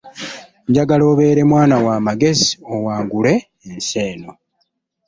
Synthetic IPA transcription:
ɲɟaɡalo̞ːβe̞ːɾe̞mwaːnawaːmaɡe̞ziowaːŋɡule̞ː | nseːno̞

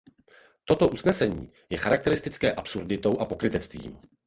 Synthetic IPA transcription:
t̪o̞t̪o̞ʔusnɛsɛɲḭː | jɛxaɾak̚t̪ɛɾɪst̪ɪt͡skɛːʔapsuɾdɪt̪o̞wʔapo̞kɾɪt̪ɛt͡st̪vḭːm

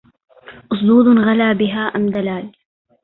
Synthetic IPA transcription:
ʔʊs̬ˤd̪uːd̪ˤnɣalaːbɪɦaːʔamd̪alaːl

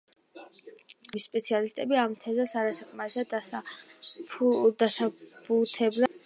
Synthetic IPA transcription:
mispʼɛt̪sʰialist̪ʼɛbiamt̪ʰɛzasaɾasakʰmaɾisad̪a | d̪asabut̪ʰɛbla

